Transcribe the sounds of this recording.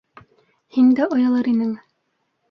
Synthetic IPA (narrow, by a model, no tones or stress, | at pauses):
hind̪æʔŏjɑ̆lˠɤɾinɘŋ